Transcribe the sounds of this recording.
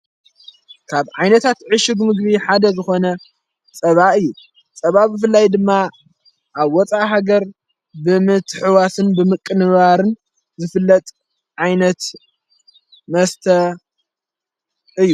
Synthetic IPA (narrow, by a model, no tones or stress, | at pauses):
kʰaβʕajnɐt̪ʰat̪ʕɨʃɪɡmɨɡbiħad̪ɐzɨxo̞nɐ | t͡sʼɐβaʔɨjːu | t͡sʼɐβabɨfɨlːajd̪ɨmːa | ʔaβwɔt͡sʼaʔɦaɡɐɾ | bɨmɨt̪ʰħɨwasɨnbɨmɨkʼːɨnɨβaɾɨn | zɨfɨlːɐt̪ʼ | ʕajnɐt̪ | mɐst̪ʰɐ | ɨjːu